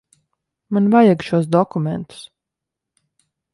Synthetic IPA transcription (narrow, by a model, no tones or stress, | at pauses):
manvajaɡʃuɔs̬d̪ɔkumʲɛnt̪u̥s